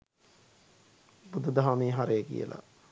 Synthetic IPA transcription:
bud̪ud̪aɦameːɦaɾejkḭjə̰la̰

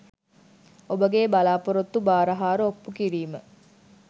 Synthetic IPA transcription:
obəɡeːbalaːpoɾot̪ːubaːɾɐɦaːɾəopːukiɾiːmə

